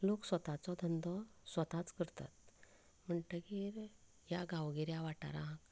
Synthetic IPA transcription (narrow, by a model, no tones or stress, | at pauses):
loksʋət̪at͡sɔd̪ʱənd̪ɔsʋət̪at͡skəɾt̪a̰t̪̚ | m̤əɳʈəɡeɾ | jaɡʱãwɡeɾjaʋaʈa̰ɾã